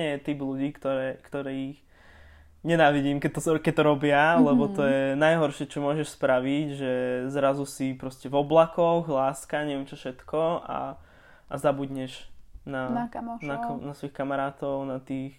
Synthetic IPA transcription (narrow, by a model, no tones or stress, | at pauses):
ɛɛt̪ibluɟiːkt̪ɔɾɛːkt̪ɔɾɛːix | ɲɛnaːʋiɟiːmkɛt̪kɛc̚t̪ɔɾɔbɪalɛbɔt̪ɔjɛnajɦɔɾʃɪɛt͡ʃɔmʊɔʒɛʃspɾaʋiɟʒɛzɾazusipɾɔscɛvɔblakɔɣlaːskaɲɛʋɪɛmt͡ʃɔfʃɛt̪kɔa̰ | ʔazabud̪ɲɛʒnananasʋɔixkamaɾaːt̪ɔʊnat̪iːx